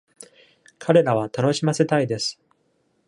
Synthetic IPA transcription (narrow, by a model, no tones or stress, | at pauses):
kʰaɾe̞ɾaβ̞at̪ano̞ɕimase̞t̪aid̪e̞sɨ̥